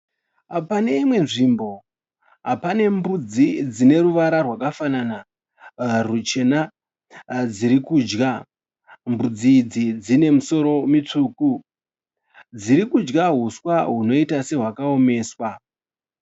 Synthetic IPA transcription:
apane̞imwe̞nʐimbo̞ | ɦapane̞mbud͡zid͡zine̞ɾuʋaɾarwakafanana | rut͡ʃe̞na | d͡ziɾikuːd͡ʒɡa | mbud͡zid͡zid͡zine̞muso̞ɾo̞mit͡ʂuːku | d͡ziɾikud͡ʒɡaɦuswaɦuno̞itase̞ɦwakaome̞ːswa

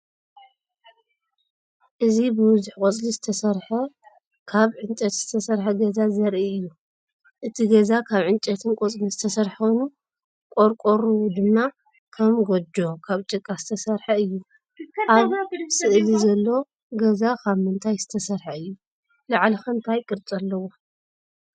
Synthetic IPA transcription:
ʔɨzibɨbʊzuħkʼot͡sʼlizɨt̪ʰɐsɐɾħɐ | kʰaβʕɨnt͡ʃʼɐt̪z̥ɨt̪ʰɐsɐɾħɐɡɐzazɐɾʔiɨjːu | ʔɨt̪ʰiɡɐzakʰaβʕɨnt͡ʃʼɐt̪ʰɨnkʼot͡sʼlizɨt̪ʰɐsɐɾħonu | kʼoɾkʼoɾuwud̪ɨmːa | kʰɐmɡod͡ʒokʰaβt͡ʃʼɨkʼːazɨt̪ʰɐsɐɾħɐɨjːu | ʔaβsɨʔlizɐlːo̞ | ɡɐzakʰaβmɨnt̪ʰajz̥ɨt̪ʰɐsɐɾħɐɨjːu | laʕlixɐnt̪ʰajkʼɨɾt͡sʼɐlːɐwo

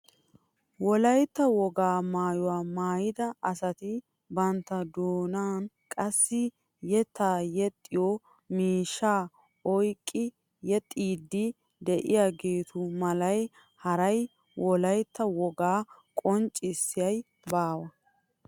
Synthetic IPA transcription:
wɔlɐjt̪ːɐwɔɡaːmaːjɔwaːmaːjɪd̪ɐʔɐsɐt̪ɪ | bɐnt̪ːɐd̪oːnaːn | kʼɐsːɪ | jɛt̪aːjɛt̪ʼːɪjɔ | miːʃːaː | ɔjkʼːɪ | jɛt̪ʼiːd̪ːɪ | d̪ɛʔɪjaːɡe̞ːt̪ʰʊmɐlɐj | hɐɾɐj | wʔɔlɐjt̪ːɐwɔɡaːkʼɔnt͡ʃʼɪsːɪjɐj | baːwɐ

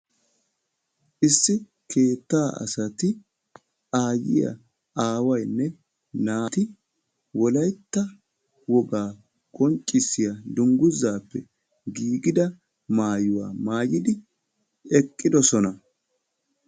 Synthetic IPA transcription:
ʔɪsːɪ | kʰe̞ːt̪ːaːʔɐ̰sɐt̪ɪ | ʔaːjɪ̰jɐ̰ | ʔaːwɐjnːɛ | naːt̪ɪ | wɔlɐjt̪ːɐ | wɔɡaː | kʼɔnt͡ʃʼːɪsɪjɐd̪ʊŋɡʊzːaːpːɛ̰ | ɡiːɡɪd̪ɐ | maːjʊwa̰ːmaːjɪd̪ɪ | ɛkʼːɪd̪ɔsɔnɐ

